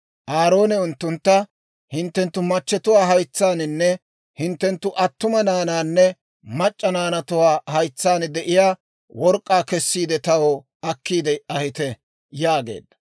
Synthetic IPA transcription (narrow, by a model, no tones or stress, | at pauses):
ʔaːɾo̞ːnɛʊnt̪ːʊnt̪ːɐ | hɪnt̪ːɛnt̪ːʊmɐt͡ʃːɛt̪ʊwaːɦɐjt͡sːaːnɪnːɛ | hɪnt̪ːɛnt̪ːʊʔɐt̪ːʊmɐnaːnaːnːɛ | mɐt͡ʃʼːɐnaːnɐt̪ʊwaːhɐjt͡sːaːnd̪ɛʔɪjaː | wɔɾkʼːaːkɛsːiːd̪ɛt̪ɐwo | ɐkːiːd̪ɛɐhɪt̪ɛ | jaːɡe̞̰ːd̪ːɐ̥